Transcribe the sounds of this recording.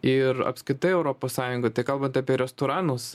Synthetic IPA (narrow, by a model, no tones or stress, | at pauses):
ɪɾɐ̰pʲsʲkɾʲɪt̪ɐɪɛʊɾoːpoːssɑːjʊŋɡɐt̪ɐɪkɐlˠbɐnt̪ɑːpʲiɛɾʲɛst̪oːɾɑːnʊs